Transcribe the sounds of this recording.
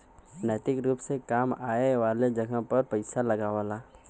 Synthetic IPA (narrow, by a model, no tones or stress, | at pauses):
nɛːt̪ɪkɾuːpsekaːmaːeʋaːled͡ʒɐɡə̃pɐɾpəɪsalɐɡaːʋalaː